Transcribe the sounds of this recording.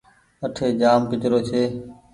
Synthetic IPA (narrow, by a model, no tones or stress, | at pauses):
əʈʰeːd͡ʒaːmpɪt͡ʃɾoːt͡ʃʰeː